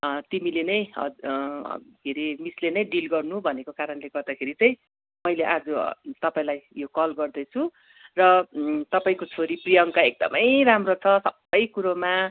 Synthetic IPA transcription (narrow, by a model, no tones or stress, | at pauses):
t̪imilenʌj̃ʌ̰ | keɾimislenʌj̃ɖilɡʌrnubʱʌnekokaɾʌnleɡʌrd̪akʰeɾit͡sʌj̃ | mʌjleʔad͡zot̪ʌpaĩlajjokʌlɡʌrd̪ʌt͡sʰũ | rʌt̪ʌpaĩkot͡sʰoɾiprijʌŋkaek̚d̪ʌ̰mʌjramrot͡sʰʌsʌbːʌjkuɾoma